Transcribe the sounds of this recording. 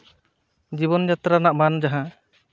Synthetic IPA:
d͡ʒibɔnd͡ʒat̪ɾanaʔmand͡ʒaɦã

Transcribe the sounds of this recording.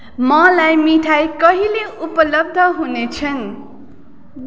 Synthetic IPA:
mʌlajmiʈʰajkʌɦileupʌlʌb̚d̪ʱʌɦunet͡sʰʌn

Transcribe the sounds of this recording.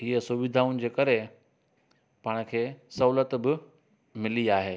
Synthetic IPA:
ɦiːəsuʋɪd̪ʱaːunɪ̆d͡ʑeːkɐɾe | paːɽ̃̆kʰeːsɐɦulət̪bɪ | mɪliaːɦeː

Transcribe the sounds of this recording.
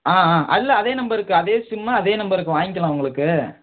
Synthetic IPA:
aːaːʔɐɪlːɐɐðeːnɐmbɐɾɯkːɯɐðeːsʊmːaɐðeːnɐmbɐɾɯkːɯʋaːjkːɐlãːɐʋɐŋɡɐɭɯkːɯ

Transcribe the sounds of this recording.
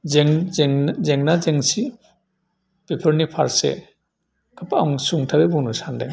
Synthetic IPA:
zeŋŋzeŋnazeŋsi | pepʰəɾnipʰaɾsḛ | kʰapaaŋsuŋtʰabebɔnusandḛŋ

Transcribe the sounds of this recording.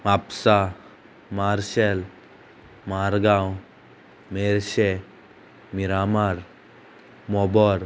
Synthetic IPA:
ʋapsa | maɾʃel | maɾɡãw | meɾɕe | miɾamaɾ | mɔbɔɾ

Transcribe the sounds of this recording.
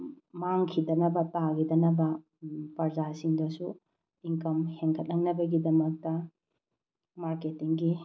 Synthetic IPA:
maŋkʰidɐnɐbɐtaɡidɐnɐbɐ | pɐɾzasiŋdɐsu | iŋkɐmheŋkʰɐt̚lɐŋnɐbɐɡidɐmɐk̚tɐ | maɾketiŋɡi

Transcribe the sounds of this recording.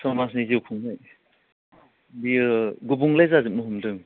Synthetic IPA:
sɔmasniziupʰuŋnaj | biɡubuŋlajzazɯp̚nɯɦumdɯŋ

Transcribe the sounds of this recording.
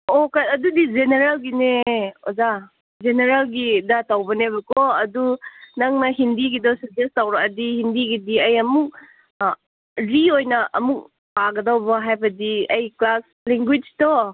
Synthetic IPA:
ɔkatɐdudid͡ʒeneɾalɡineoza | zeneɾalɡidatawbɐnebɐkɔɐdunaŋnɐɦindiɡidɔsud͡ʒestawɾakɐdihindiɡidiɐjɐmuk̚ | ɾiojnɐʔɐmuk̚ | aɡɐdawbaɦajbɐdiɐjklas | leŋɡwid͡ʒtɔ

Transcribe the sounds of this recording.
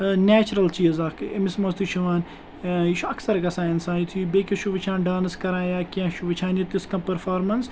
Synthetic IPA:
neːt͡ʃɾɐlt͡ʃiːzɐkɪmɪsmɐst̪uʃʰuʋaːn | iʃuɐksɐɾɡɐsaːinsãːit̪ʰubeːkiʃʰuʋit͡ʃʰaːnɖaːnskɐɾãːjaːkʲãːʃuʋɪt͡ʃʰaːnit̪iskɐ̃pɐɾfaːɾmɐns

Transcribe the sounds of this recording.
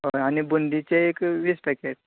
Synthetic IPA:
ɦoaɽ̃ibund̪it͡ɕeekʋispɛkeʈ̚

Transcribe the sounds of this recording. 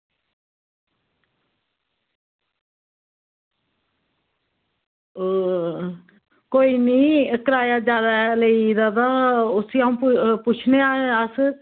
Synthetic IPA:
koːiːniːkəɾaːjaːd͡ʒaːd̪aləid̪ad̪aːʊsiaːũːppʊt͡ʃʰneaːeəs

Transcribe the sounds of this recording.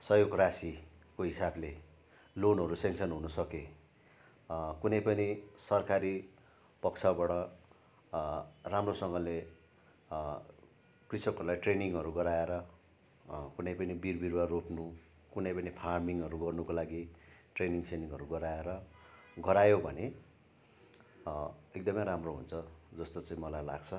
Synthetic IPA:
sʌjoɡrasi | koɦisable | lonɦʌɾusensʌnɦunʌsʌke | kunʌjpʌnisʌrkaɾi | pʌkt͡sʰabaɽʌ | ramrosʌŋɡʌle | krisʌkʌɾulajʈreniŋɦʌɾuɡʌɾaeɾʌ | kunʌjpʌnibirbiɾwaropnu | kunʌjpʌnipʰarmiŋʌɾuɡʌrnukolaɡiʈreniŋsʰeniŋɦʌɾuɡʌɾaeɾʌɡʌɾajobʱʌne | ek̚d̪ʌmʌjɾamroɦṵnt͡sʰʌd͡zʌst̪ot͡saĩmʌlajlaɡt͡sʰʌ

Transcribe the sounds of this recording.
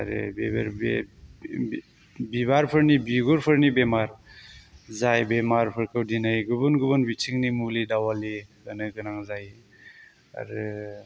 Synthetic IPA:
a̰ɾɯ̰bebɾb | bibaɾpʰɯɾnibiɡuɾpʰɯɾnibemaɾ | zajbemaɾpʰɯɾkʰɯwdinajɡubunɡubunbit͡ʃʰiŋnimulidawaliɡanɯɡɯnaŋzaj | a̰ɾɯ

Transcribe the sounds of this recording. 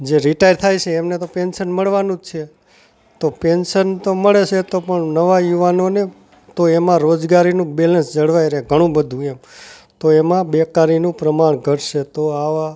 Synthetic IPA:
d͡ʒeɾiʈajɾt̪ʰajt͡ʃʰeːmnet̪openʃənməɭʋanũd͡ʒt͡ʃʰe | t̪openʃənt̪oməɭet͡ʃʰet̪opəɳnəʋajuʋanone | t̪oemãɾod͡ʒɡaɾinũbelənsd͡ʒəɽʋajɾeɦɡʱəɽ̃ũbəd̪ʱũemt̪oemãbekaɾinũpɾəmaɳ̃ɡʱəʈʃet̪oaʋa

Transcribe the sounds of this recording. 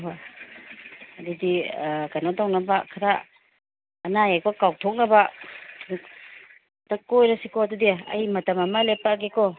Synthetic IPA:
ɦa | adidiɡanadawnabakʰaɾaː | najakɔkaw̚tʰɔk̚naba | dakojɾasikɔɐdudiɐ̰jmɐtamɐmalepaɡekɔ

